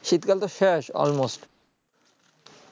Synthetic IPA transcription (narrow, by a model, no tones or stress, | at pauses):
ʃit̪kalt̪oʃeʃɔ̰lmosʈ